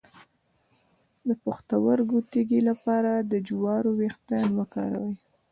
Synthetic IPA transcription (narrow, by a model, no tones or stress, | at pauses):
d̪əpʊxt̪awəɾɡut̪eɡilapɑɾad̪əd͡ʒwɑɾowext̪anwəkɑ̰ɾa̰wəj